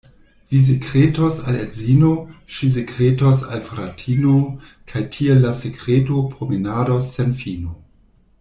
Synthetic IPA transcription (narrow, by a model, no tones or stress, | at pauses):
vis̬ekɾetosalḛdzinoʃis̬ekɾetosa̰lfɾatʰinokʰajtʰielːasekɾetopɾomenaːdosːenfino